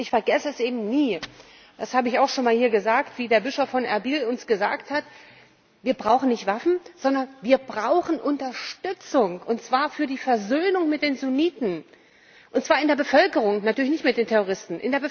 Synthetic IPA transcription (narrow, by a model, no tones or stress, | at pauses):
ʔɪçfɛɐɡɛsəɛsʔeːbm̩niː | d̥ashaːbəɪçaʊxʃoːnmaːlhiːɐɡəzaːktv̥iːdeːɐbɪʃofːɔnʔɛ̰ɐbiːlʊnsɡ̥əza̰ːkthat | viːɐbʁaʊxn̩nɪçtv̥afn̩z̥ɔndɐnviːɐbʁaʊxn̩ʔʊntɐʃtʏt͡sʊŋʔʊntt͡sv̥aːɐfyːɐdiːfɛɐzøːnʊŋmɪt̚d̥eːnzuniːtn̩ | ʔʊntt͡sv̥aːɐɪndeːɐbəfœlkəʁ̞ʊŋnatʰyːɐlɪçnɪçtmɪt̚d̥eːntʰɛʁoʁ̞ɪstn̩ʔɪ̰ndeːɐbə